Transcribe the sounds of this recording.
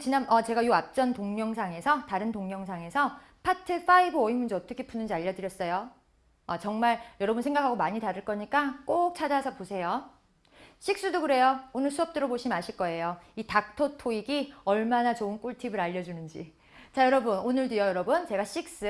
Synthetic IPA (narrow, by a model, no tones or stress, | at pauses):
t͡ɕinanʌt͡ɕe̞ɡajuap̚t͡ɕ͈ʌntoŋɲʌŋsʰaŋe̞sʰʌtaɾɯntoŋɲʌŋsʰaŋe̞sʰʌ | pʰatʰɯfʰaibɯʌimund͡ʑiʌt͈ʌkʰepʰunɯnd͡ʑiaʎːʌdɯɾjʌs͈ʌjo | at͡ɕʌŋmaɭjʌɾʌbɯnsʰe̞ŋɡakʰaɡomaɲitaɾɯɭk͈ʌɲik͈ak͈ok̚t͡ɕʰad͡ʑasʰʌposʰe̞jo | ɕʰik̚s͈udoɡɯɾe̞joonɯɭsʰuʌp̚t͈ɯɾʌboɕʰimaɕʰiɭk͈ʌe̞joitak̚tʰotʰoiɡiʌɭmanat͡ɕoɯnk͈uɭtʰibɯɾaʎːʌd͡ʑunɯnd͡ʑḭ | t͡ɕajʌɾʌbunonɯɭdijʌjʌɾʌbunt͡ɕe̞ɡaɕ͈ʰik̚s͈ɯ